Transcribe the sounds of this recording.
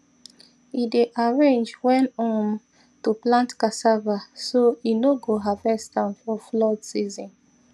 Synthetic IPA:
ideʔaɹẽnd͡ʒwɛ̃nɔ̃n | tuplãntkasavasoinoɡoɦavɛstãnfɔflɔdsizɔ̃n

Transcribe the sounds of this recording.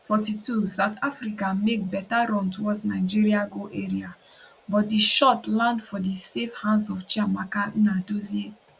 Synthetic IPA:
fɔtitʰusaʊtʰafɾikamek̚bɛtaɾɔ̃ntuwɔdsnaɪd͡ʒiɾiaɡoʔeɹia | bɔt̚diʃɔtlãndfɔdisefhãnsɔft͡ʃiamakanadozie

